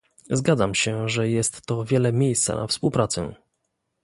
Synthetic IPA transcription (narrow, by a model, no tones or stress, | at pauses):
zɡad̪zamɕɛʐɛjɛst̪ːɔvʲjɛlɛmʲjejst̪sa̰na̰fspuwpɾat̪sɛ̰